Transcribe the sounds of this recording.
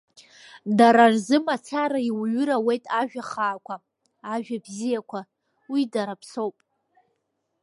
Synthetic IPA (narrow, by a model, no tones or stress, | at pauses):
daɾarzɨmat͡sʰaɾaiwɥʊɾawe̞jtʼaʒᶣaχaːkʷʰaː | ʒᶣabzijakʷʰa | widaɾapʰsowpʼ